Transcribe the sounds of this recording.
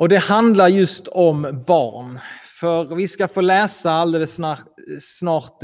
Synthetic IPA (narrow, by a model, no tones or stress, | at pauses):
ʔɔd̪ɛhand̪laɾjɵst̪ʰɔmbɑ̰ːɾɳfœɾvɪskafoːlɛːsaald̪eːləsː | nɑːɾt̪